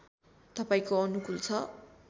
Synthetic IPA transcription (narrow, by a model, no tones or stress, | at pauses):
t̪ʌpaĩkoʌnukult͡sʰʌ